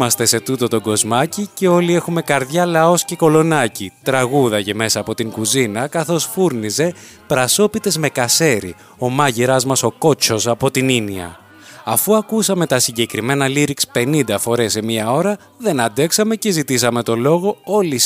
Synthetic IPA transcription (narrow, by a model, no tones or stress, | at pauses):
mɐst̪e̞se̞t̪ut̪o̞t̪o̞ɡo̞zmɐcice̞o̞lie̞xume̞kɐɾðʝɐlɐo̞sce̞ko̞lo̞nɐcit̪ɾɐɣuðɐce̞me̞sɐːpo̞t̪iŋkuzinɐkɐθo̞sfuɾnize̞ | pɾɐso̞pit̪e̞zme̞kɐse̞ɾḭ | o̞mɐʝiɾɐzmɐso̞ko̞t͡ʃo̞sɐpo̞t̪ininiɐ̰ | ɐfuɐkusɐme̞t̪ɐsiɲɟe̞kɾime̞nɐliɾikspe̞nind̪ɐfo̞ɾe̞semiɐo̞ɾɐ | ðe̞nɐnd̪e̞ksɐme̞ce̞zit̪is̬ɐme̞t̪o̞lo̞ɣo̞o̞lis